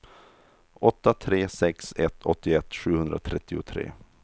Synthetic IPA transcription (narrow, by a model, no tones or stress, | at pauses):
ʔɔt̪ːat̪ʰɾeːsɛksɛt̪ʰːɔt̪ːɪɛt̪ːɧʉ̟ːhɵnd̪ɾat̪ʰɾɛt̪ːɪʊt̪ʰɾḛː